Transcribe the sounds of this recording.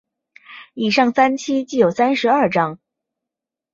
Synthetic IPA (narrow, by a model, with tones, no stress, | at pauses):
i˨˩ʂɑ˥˩ŋsa˥nt͡ɕʰi˥t͡ɕi˥˩jo˨˩ʊsa˥nʂɻ̩˧˥ɐ˞˥˩ʈ͡ʂɑ˥ŋ